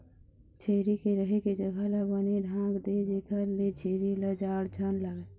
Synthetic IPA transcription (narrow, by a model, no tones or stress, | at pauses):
t͡ʃʰeːɾikeɾəɦeked͡ʒəɡʱalabəneɖʱãːŋɡd̪ed͡ʒekʰəlet͡ʃʰeːɾiləd͡ʒaːɽd͡ʒʱənlaɡe